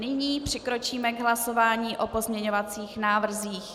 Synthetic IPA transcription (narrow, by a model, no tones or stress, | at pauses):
nɪɲiːpr̝̥ɪkɾo̞t͡ʃiːmɛɡɦlaso̞vaːɲiːʔo̞po̞zmɲɛɲovat͡siːxnaːvr̩ziːx